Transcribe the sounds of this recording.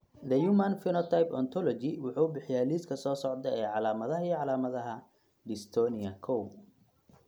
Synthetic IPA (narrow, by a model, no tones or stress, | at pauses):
d̪ɐjumanfɪnɔt̪ʰajpɔ̰nt̪ʰɔlɔt͡ʃɪwʊħuːʊbɪħɪjaːliːskʰɐsɔːsɔʕd̪ɐɛːʕɑlaːmɐðɐɦɐijʕɑlaːmɐðɐɦɐ | ɖɪst̪ʰɔːnɪɐkʰɔw